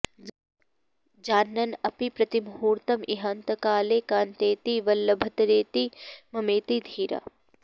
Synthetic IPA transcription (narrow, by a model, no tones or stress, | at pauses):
d͡ʒaːnːɐnɐpipɾɐt̪imɦuːɾt̪ɐmiɦaːnt̪ɐkaːleːkaːnt̪eːt̪iʋɐlːɐbʱɐt̪ɐɾeːt̪imɐmeːt̪id̪ʱiːɾa̰